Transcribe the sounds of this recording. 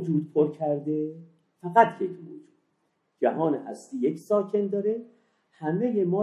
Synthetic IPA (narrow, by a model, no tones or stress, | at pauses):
d͡ʒuːd̪̚pʰoɾcʰæɾd̪e̞ | fæɣæt̪ʰjekʰmo̰d͡ʒuːd̪̚ | d͡ʒæɦɒːnehæ̰st̪iːjecʰsɒːcʰe̞nd̪ɒːɾe | hæmejemɒː